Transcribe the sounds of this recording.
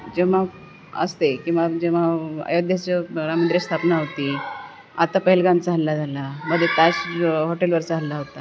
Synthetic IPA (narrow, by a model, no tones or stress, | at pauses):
d͡ʑeʋa | ə̰st̪ekĩw̃ʋad͡ʑeʋ̤aə̰jod̪ʱjat͡ɕəɾamənd̪ɾest̪ʰapnaɦot̪i | a̰t̪apəɦilɡãnt͡saɦallːad͡zʱalaməd̪ʱːjet̪aɕɦoʈelʋəɾt͡saɦallaɦot̪a